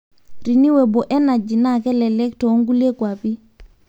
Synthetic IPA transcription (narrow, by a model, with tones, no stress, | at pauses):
ɾi˨ni˦wɛ˨bɔ˨ʔɛ˦na˨d͡ʒi˨na˦˨kɛ˦lɛ˨lɛ˦k̚tɔ˨˦ŋɡu˦le˦kwa˨pi˦